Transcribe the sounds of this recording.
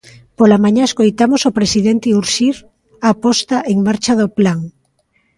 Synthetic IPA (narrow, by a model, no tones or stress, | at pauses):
polamãɲaeskojt̪amosopɾesiðent̪euɾʃiɾ | apɔst̪aʔeŋmaɾt͡ʃaðoplaŋ